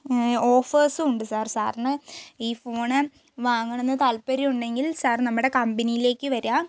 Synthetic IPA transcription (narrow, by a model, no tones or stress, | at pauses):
oːfeːsɨuɳɖɨsaːrsa̰ːrnɨiːfoːɳɨ | ʋaːŋːɐɳenːɨt̪ɐlpːɐɾiuɳɖe̞ŋɡilsaːrnɐmːuɽe̞kɐmbɐnijile̞ːkːɨʋɐɾaː